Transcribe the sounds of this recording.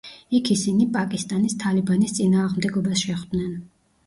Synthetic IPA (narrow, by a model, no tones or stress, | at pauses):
ikʰisinipʼakʼist̪ʼanist̪ʰalibanist̪sʼinaːʁmd̪ɛɡɔbasʃɛχd̪nɛn